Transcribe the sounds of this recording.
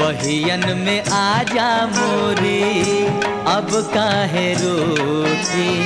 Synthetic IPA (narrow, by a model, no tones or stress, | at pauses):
ʋɐɦijɐnmẽʔaːd͡ʒamoɾi | ɐbkaɦeɾoːki